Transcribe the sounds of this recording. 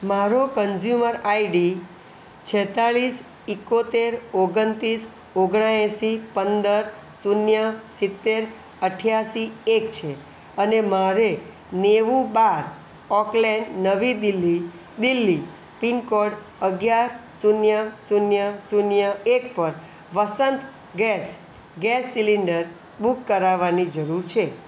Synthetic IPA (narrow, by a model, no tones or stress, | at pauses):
maɾokənd͡ʒjuməɾaiɖi | t͡ʃʰɛt̪aɭis | ɪkot̪eɾoɡənt̪is | oɡɽ̃aẽsipənd̪əɾ | sunjəsit̪ːeɾ | əʈʰjasiekt͡ʃʰe | ənemaɾe | neʋũbaɾ | ɔklɛɳɖnəʋid̪ilːi | d̪ilːi | pinkɔɖ | əɡjaɾsunjəsunjəsunjəek̚pəɾ | ʋəsənt̪ | ɡɛs | ɡɛsːiliɳɖəɾ | bukːəɾaʋanid͡ʒəɾuɾt͡ʃʰe